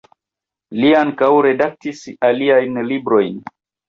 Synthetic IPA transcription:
liankawɾedak̚tisaliajnlibɾojn

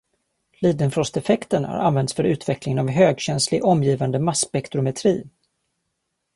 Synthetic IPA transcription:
liːd̪ənfɾɔst̪ɛfɛkt̪ənhæ̰ɾa̰nvɛnsfœɾʉ̟ːt̪ʰvɛklɪŋənavɦøːɡɕɛnslɪɡʔɔmjiːvand̪əmaspɛkt̪ɾʊmɛt̪ʰɾḭː

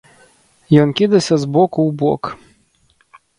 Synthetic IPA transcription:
jɔnkʲid̪ɐsʲɐzbɔkuwbɔ̰k

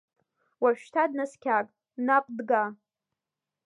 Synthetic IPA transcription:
waʃᶣtʰadnaskʲʰakʼ | napʼdɡa

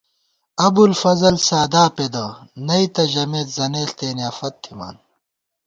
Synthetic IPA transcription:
ɐbulfɐzɐlsaːd̪aːped̪ɐnɐit̪ɐʑɐmeːt̪zɐneːst̪eːniɐfɐt̪ʰːima̰ːn

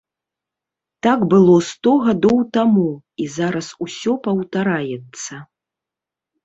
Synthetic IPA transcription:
t̪akbɨlˠɔst̪ɔɣad̪ɔwt̪amu | izaɾɐsusʲɔpɐwt̪aɾajɛt̪sːɐ

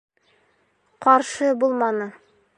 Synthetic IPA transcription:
qɒɾʃɤbulˠmɑnɤ

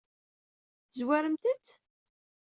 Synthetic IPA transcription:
θzwæɾəmt̪ət͡s

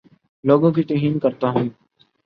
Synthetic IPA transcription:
loːɠõːkiːt̪eɦiːnkəɾt̪aːɦũː

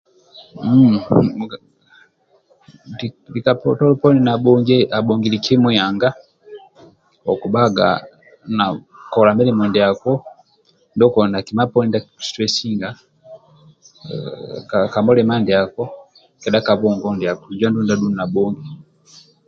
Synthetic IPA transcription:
tilikapɔtɔlpɔninabɔŋɡɛʔabɔŋɡilikʰɛmwɛjaŋɡa | ɔkubaɡa̰ | na | kɔɔlamɛlɛmɔndɛakɔ | ndɔkɔndakimapɔnindḁsi̥twɛsiŋɡa | kakambɔlɛmandɛakɔ | kɛdakaβɔŋɡɔndiakɔɲd͡ʒwandundadunnabɔŋɡɛ

